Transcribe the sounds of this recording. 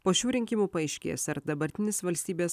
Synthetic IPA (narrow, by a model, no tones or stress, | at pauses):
poːʃʲuːɾʲɪŋʲkʲɪmuːpɐɐɪʃʲkʲḛːsɐɾd̪ɐbɐɾʲt̪ʲɪnʲeːsʋɐlʲsʲt̪ʲiːbʲeːs